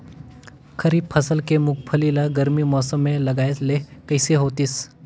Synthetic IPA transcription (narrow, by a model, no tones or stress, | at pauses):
kʰəɾiːp̚pʰəsəlkemʊkpʰəlilaɡəɾmimɔːsəmːẽlɐɡaːet̪lekɐɪseɦoːt̪is